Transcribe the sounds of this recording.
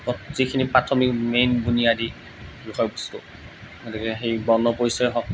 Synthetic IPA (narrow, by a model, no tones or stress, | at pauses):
ɔtzikʰinipɹatʰɔmikmejnbunijadi | bixɔjɔbustʊ̰ | ɡɔtikɛxejbɔnɔpoɹisɔɛɦɔk̚